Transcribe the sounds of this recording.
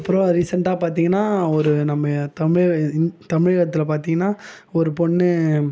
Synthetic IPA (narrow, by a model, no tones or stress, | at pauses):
ɐpːɯɾɔ̃ɾiːsɐɳʈaːpaːɾt̪iːŋɡɐnːaːɔɾɯnɐmːɐt̪ɐmɪɻt̪ɐmɪɻɣɐɐt̪ːɪlɐpaːɾt̪iːŋɡɐnːaː | ɔɾɯpɔɳːɯ